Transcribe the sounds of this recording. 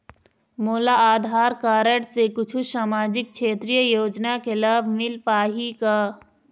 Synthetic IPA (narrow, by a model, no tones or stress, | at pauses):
moːlaaːd̪ʱaːɾkaːɾəɽsekʊt͡ʃʰusaːmaːd͡ʒɪk̚kʃeːt̪ɾijəjoːd͡ʒnakelaːbʱmɪlpaːɦikaː